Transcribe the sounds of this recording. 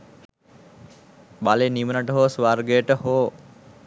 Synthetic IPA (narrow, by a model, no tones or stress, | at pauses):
balenimənaʈəɦoːsʋarɡəjəʈəhoː